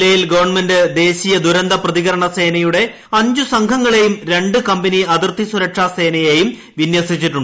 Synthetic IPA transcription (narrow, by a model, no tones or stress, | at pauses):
lɐjilɡɐʋɐrɳmendɨd̪e̞ːɕijɐd̪uɾɐnd̪ʱɐprɐðiɣɐɾɐɳɐse̞ːnɐjuɽe̞ | ɐɲd͡ʑusɐŋkʰɐŋːɐɭe̞jumɾe̞ɳɖɨkɐmbɐniɐd̪irt̪isuɾɐʈʂaseːnɐjejum | ʋinjɐsit͡ɕːiʈːuɳɖɨ